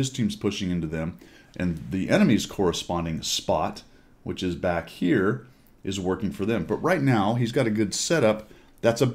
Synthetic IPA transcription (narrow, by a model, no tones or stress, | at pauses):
ɨz̥tʰĩmz̥pʰʊʃɪ̃ŋɪ̃ntʉðɨ̃m | ʔɨ̃nðiʔɛñɨmiz̥kʰɔɹɨspɑ̃ndɪ̃ŋspɑ̰t | wɨt͡ʃɨzbækhiɹ | ʔɨzwɜ˞kɪ̃ŋfə˞ðɨ̃mbʌʔ̚ɹaɪtⁿnaʊizɡɑɾɨɡʊd̥sɛɾʌp̚ | ðætsə